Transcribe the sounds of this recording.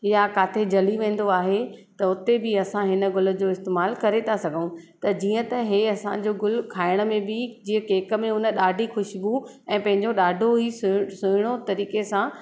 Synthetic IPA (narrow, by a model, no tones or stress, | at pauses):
jakaːt̪ʰed͡ʑɐliʋẽːn̆d̪oaːɦet̪ɐʊt̪ebɪɐsãɦɪnə̆ɡʊlə̆d͡ʑoːɪst̪eːmaːlkɐɾet̪ʰasɐɡʱəũt̪ɐd͡ʑiːə̃t̪ɐɦeɐsã̰d͡ʑoːɡʊl̤kʰaːɪɽ̃ə̆mẽbɪd͡ʑiːə̃keːkə̆mẽʊnə̆ɗaːɖʱixʊʃibu | ɛ̃ːpɐ̃ɦɪ̃ɲd͡ʑoɗaːɖʱoɦisʊsʊɪɽ̃ot̪ɐɾiːkesã